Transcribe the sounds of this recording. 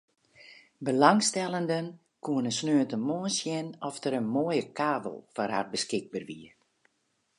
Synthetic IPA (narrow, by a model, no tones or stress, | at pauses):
bəlaŋstɛlˠəndən | kuənəsnøːtəmoːənsjɪnɔftəɾənmoəjəkʰaːbə̰lˠfɔrha̰rbəskɪɡ̚bərʋiə